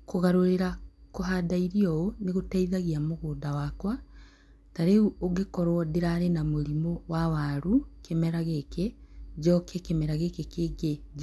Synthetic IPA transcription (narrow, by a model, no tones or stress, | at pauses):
koɣaɾoɾeɾakoɦadaiɾiɔoneɣotaiðaɣiamoɣoːdawakwa | taɾeuoɡekɔɾwɔdeɾaɾenamoɾimowawaɾukemɛɾaɣekɛd͡ʒɔkɛkemɛɾaɣekekeɡe